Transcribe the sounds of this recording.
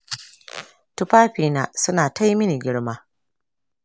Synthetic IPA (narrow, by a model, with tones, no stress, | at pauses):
tu˦ɸaː˦ɸiː˨naː˦sʊ˦naː˨ta˦jmɪ˦ni˨ɡʲɪ˦ɽmaː˦